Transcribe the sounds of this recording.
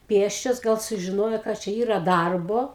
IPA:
ˈpʲeːsʲt͡ʃʲoːs ɡɐlˠ sʊʒʲɪˈnoːjoː kɐt ˈt͡ʃʲɛ ˈiːrɐ ˈdɐrboː

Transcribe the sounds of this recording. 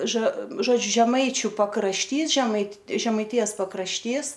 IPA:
ʒɐ ʒoːˈd͡ʒʲʊ ʒʲɛˈmɐɪt͡ʃʲʊ pɐkrɐʃʲˈtʲiːs ʒʲɛmɐɪt ʒʲɛmɐɪˈtʲɪjɛs pɐkrɐʃʲˈtʲiːs

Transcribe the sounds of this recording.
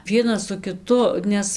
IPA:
ˈʋʲiɛnɐs sʊ kʲɪˈtʊ ˈnʲɛs

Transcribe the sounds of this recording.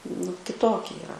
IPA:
nʊ kʲɪˈtoːkʲɪ iːˈrɐ

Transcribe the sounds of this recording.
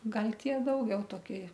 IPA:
ˈɡɐlʲ ˈtʲiɛ ˈdɐʊɡʲɛʊ toːˈkʲɪ

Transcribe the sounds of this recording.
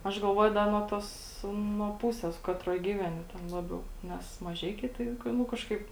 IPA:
ɐʃ ɡɐlˠˈʋuɔjʊ ˈdɐ nuɔ ˈtoːs nuɔ ˈpuːsʲeːs ˈkɑːtroːj ˈɡʲiːʋʲɛnʲɪ ˈtʲɛn ˈlˠɑːbʲɛʊ ˈnʲɛs mɐˈʒʲɛɪkʲɛɪ ˈtɐɪ ˈnʊ kɐʃˈkɐɪp

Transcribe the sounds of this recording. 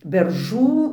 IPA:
bʲɛrˈʒuː

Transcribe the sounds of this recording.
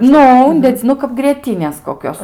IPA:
ˈnʊ ˈʊnʲdʲɛd͡zʲɪ ˈnʊ kɐp ɡrʲiɛˈtʲiːnʲeːs koːˈkʲoːs

